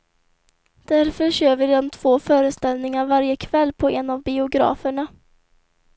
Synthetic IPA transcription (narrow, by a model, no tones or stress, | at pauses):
d̪̥æɾfœɾɕøːvɪɾd̪ɔmt̪ʰv̥oːfœːɾəst̪ɛlnɪŋaɾvaɾjəkʰvɛlːpʰɔʔɛnavbɪʊɡɾɑ̰ːfəɳa